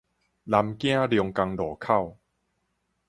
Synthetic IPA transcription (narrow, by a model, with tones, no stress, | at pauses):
la˧mkĩ˥a˨ɾi˧ŋka˧ŋdɔː˨˩kʰa˥˩˨w